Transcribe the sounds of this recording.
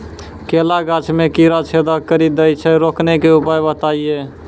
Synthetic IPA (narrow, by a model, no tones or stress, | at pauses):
kelaɡat͡ʃʰmekiɾat͡ʃʰed̪akəɾid̪əjt͡ʃʰɛɾoknekeupajbət̪aije